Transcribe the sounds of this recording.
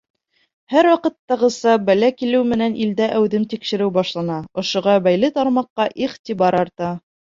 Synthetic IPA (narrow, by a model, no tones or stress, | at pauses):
hæɾwɑqɤ̆t̪ːɑʁɤ̆sɑbælækilɘwmɘ̆nænʔild̪æʔæwðɘmt̪ikʃɘ̆ɾɘwbɑʃlˠɑnɑŏʃŏʁɑbæjlɘt̪ɑɾmɑqːɑʔiχt̪ibɑɾɑɾt̪ɑ